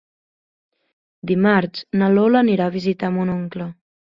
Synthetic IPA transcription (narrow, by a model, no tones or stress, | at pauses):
d̪imaɾt͡ʃnəloləniɾaːβizit̪amunoŋklə